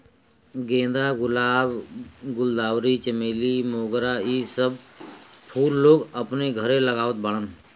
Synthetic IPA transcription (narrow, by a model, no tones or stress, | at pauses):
ɡẽːnd̪aɡʊlaːbɡʊld̪aːwɾit͡ʃəmeːlimoːɡɾaiːsəbpʰuːɾːoːɡəpneɡʱəɾẽləɡaːʋət̪̚bəɽ̃ən